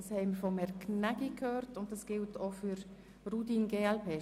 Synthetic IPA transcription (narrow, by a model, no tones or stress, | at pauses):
ɑshɛɪməɾfɔmɛɾknæɡikʰhøːrtʊnt̚d̥asɡ̥ɪltʰofyɾ | rudiːnɡeːɛlpʰeː